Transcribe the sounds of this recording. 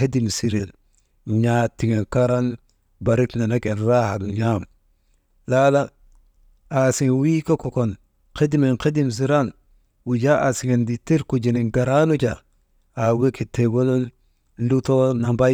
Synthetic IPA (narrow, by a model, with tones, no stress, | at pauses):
e˦di˨msi˨ɾe˨l | ɲa˦ti˨ŋe˨nka˦ɾa˦n | ba˨ɾi˦tna˨na˦ke˨nɾa˦ha˨lɲam | la˦la˦ | a˨si˨ŋ˨wi˦ka˦ko˨ko˨n | ke˦di˦me˨nke˦di˦ms̬i˨ɾa˦n | wu˨d͡ʒa˦ʔa˨si˨ŋe˨ndi˨te˦ɾku˨d͡ʒi˨ni˨ŋɡa˨ɾa˦nu˦t͡ʃa˨ | a˨we˦ki˨te˨ɡo˦lo˦n | lu˦to˦na˨mba˦